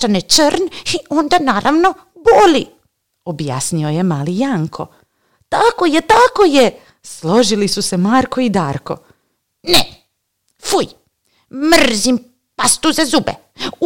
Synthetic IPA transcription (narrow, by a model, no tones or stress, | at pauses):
anet͡ʃərniond̪anaːɾʔaʋno | boli | obja̰ːsnio̞jemaːlijaŋkʰo̞̰ | t̪ako̞jet̪akoje | slo̞ʒilisuse̞maːɾko̞id̪aːɾko̞̰ | ne | fuj | mrzim | past̪uzazubḛ